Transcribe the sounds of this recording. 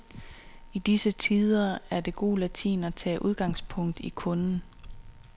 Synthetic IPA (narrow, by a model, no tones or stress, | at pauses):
id̥isət͡sʰiðˠɐæɐd̥e̝ɡ̥o̝̰ːlæt͡sʰḭːnɐt͡sʰɛ̰ːʔuð̞ˠɡ̥ɑ̈ŋspʰɔ̽ŋ̰d̥ikʰɔ̽nn̩